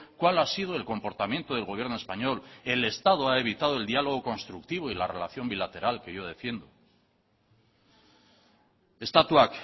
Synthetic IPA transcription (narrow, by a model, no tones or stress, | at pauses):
kwalasiðoe̞lko̞mpo̞ɾt̪amje̞nt̪oð̞e̞lɣo̞βje̞ɾnoespaɲo̞le̞le̞st̪að̞oae̞β̞it̪að̞oe̞ld̪ialo̞ɣ̞o̞ko̞nst̪ɾuk̚t̪iβ̞o̞ilare̞̰laθjo̞mbilat̪e̞ɾalke̞ʝo̞ð̞e̞fje̞nd̪o | est̪at̪wak